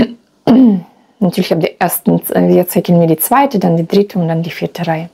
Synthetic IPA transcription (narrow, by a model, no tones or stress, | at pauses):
natʰyːɐlɪçhaːbdiʔeɐstn̩viːɐt͡saɪçənviːɐdiːt͡sv̥aɪtədandiːdʁɪtʰəʊntd̥andiːfɪːɐtʰəʁaɪə